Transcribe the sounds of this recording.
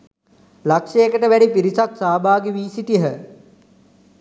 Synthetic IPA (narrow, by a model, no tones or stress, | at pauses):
lakʂeːkəʈəʋæɖipiɾisaksaːbaːɡiʋiːsiʈiɦə